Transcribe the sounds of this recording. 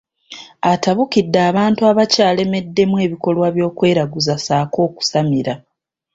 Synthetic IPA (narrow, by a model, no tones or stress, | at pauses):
ataβukidːaːβaːntuaβacaːle̞me̞dːe̞mwe̞ːβiko̞lwaβjo̞ːkwe̞ːɾaɡuzasaːko̞ːku̥samiɾa